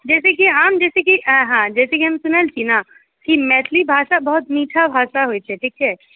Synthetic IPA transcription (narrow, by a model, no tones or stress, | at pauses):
d͡ʒɛːsekiaːmd͡ʒɛːsekiɦãːd͡ʒɛːsekiɦɐmesʊnəlt͡ʃʰina | kimɛːt̪ʰlibʱaːʃabɐɦʊt̪miːʈʰabʱaːʃaɦoit͡ʃʰɛʈʰiːk̚ɛː